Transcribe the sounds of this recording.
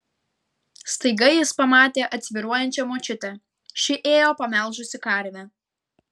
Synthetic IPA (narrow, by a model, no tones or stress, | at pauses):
st̪ɐɪɡɐjɪspɐmɑːt̪ʲeːʔɐt̪ʲsʲʋʲiɾuɔjɛnʲt͡ʃʲɛmoːt͡ʃʲɪt̪ʲɛ | ʃʲɪʔeːjoːpɐmʲɛˑlˠʒʊsʲɪkɐˑɾʲʋʲɛ